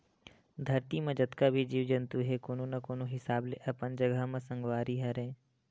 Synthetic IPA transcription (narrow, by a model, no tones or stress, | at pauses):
d̪ʱɐɾt̪imẽd͡ʒət̪kabʱid͡ʒiːʋd͡ʒə̃nt̪uɦɛkoːnonɐkoːnoɦɪsaːbleʔɐpənd͡ʒəɡəɦmẽsə̃ŋɡʋaːɾiɦɛɾɛ̃ː